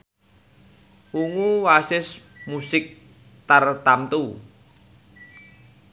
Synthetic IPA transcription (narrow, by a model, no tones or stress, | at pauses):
uŋuwasɪsmusɪk̚ | t̪art̪amt̪u